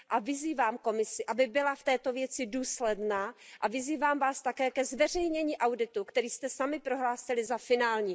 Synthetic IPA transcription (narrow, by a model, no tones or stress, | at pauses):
ʔavɪziːvaːmko̞mɪsɪʔabɪbɪlaft̪ɛːt̪o̞vjɛt͡sɪduːslɛdnaːʔavɪziːvaːmvaːst̪akɛːkɛzvɛr̝ɛjɲɛɲiːʔawdɪt̪ukt̪ɛɾiːst̪ɛsamɪpɾo̞ɦlaːsɪlɪzafɪnaːlɲiː